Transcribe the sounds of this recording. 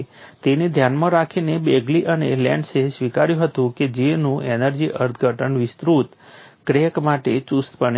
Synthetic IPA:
t̪ened̪ʱjanmãɾakʰinebeɡliʔənelɛ̰̃ɳɖsesʋikaɾjũɦət̪ũked͡ʒenũenəɾd͡ʒiʔəɾt̪ʰɡʱəʈʰənʋɪst̪ɾut̪kɾekmaʈet͡ʃust̪pəɳ

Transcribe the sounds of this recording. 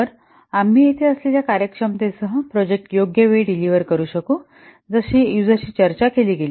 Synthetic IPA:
əɾ | am̤iːet̪ʰeəsleljakaɾjəkʂəmt̪esəɦə̃pɾɔd͡ʑek̚ʈjoɡjəʋeiɖiliʋəɾkəɾuːɕəkuː | d͡zəɕiːjud͡zəɕiːt͡ɕəɾt͡ɕakeliːɡeliː

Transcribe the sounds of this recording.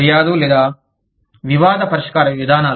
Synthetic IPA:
ɾjaːd̪ulɛːd̪aː | ʋiʋaːd̪ɐpɐɾiʂkaːɾɐʋjid̪ʱaːnaː

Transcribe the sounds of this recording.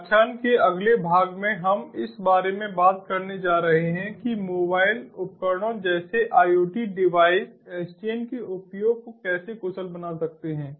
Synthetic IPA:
t͡ʃʰaːnkeɐɡlebʱaːɡmẽɦɐmɪsbaːɾemẽbaːt̪̚kɐɾned͡ʒaːɾɐɦeɦɛ̃kimoːbaːɪlʊpkəɾɽ̃õd͡ʒɛːseʔaːjoːʈiɖɪʋaːɪsst͡ʃeːnkeʔʊpjoːɡ̚kokɛːsekʊsəlbɐnasɐk̚t̪eɦɛ̃ː

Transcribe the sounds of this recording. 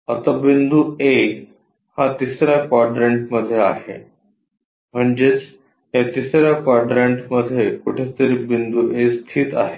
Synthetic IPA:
ət̪abind̪ue | hat̪isɾjakɔɾɖɾeɳʈməd̪ʱːjea̰ɦḛ | m̤əɳd͡ʑet͡s | ɦjat̪isɾjakɔɾɖɾeɳʈməd̪ʱjekuʈʰet̪əɾiːbind̪uʔest̪ʰiːt̪a̰ɦe

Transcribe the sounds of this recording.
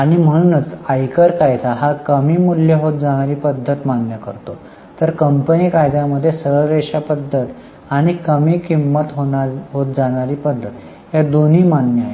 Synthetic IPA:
aɽ̃im̤əɽ̃unət͡sajkəɾkajt̪aɦakəmiːmuljeɦot̪̚d͡zaɽ̃aɾiːpəd̪ʱːət̪manːjəkəɾt̪o | t̪əɾkəmpəniːkaɾd̪ʱjaməd̪ʱːjesəəɭɾeʂapəd̪ʱːət̪ | aɽ̃ikəmiːkimːət̪ɦõaɦot̪̚d͡zaɽ̃aɾiːpəd̪ʱːət̪ | jad̪on̤iːmanːjəaɦe

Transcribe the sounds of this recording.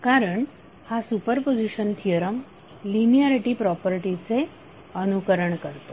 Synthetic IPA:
kaɾəɳ | hasupəɾpod͡ziɕənt̪ʰijəɾəm | linijaɾiʈipɾɔpəɾʈit͡se | ənukəɾəɳkəɾt̪o

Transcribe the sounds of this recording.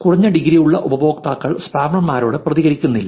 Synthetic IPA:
kuriɲːɐɖiɡɾijuɭːɐʔubɐbo̞ːkt̪aːkːɐɭspaːbɳɐmmːaːɾo̞ːɽɨprɐðiɣɐɾikʲːunːilːɐ

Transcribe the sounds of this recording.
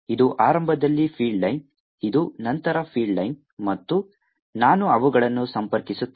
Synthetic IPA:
id̪uʔaːɾɐmbʱɐd̪ɐlːipʰiːɖɭɐjn | id̪unɐnt̪ɐɾɐpʰiːɖɭɐjn | mɐt̪ːu | naːnuɐʋuɡɐɭɐnːusɐmpɐɾkisut̪ː

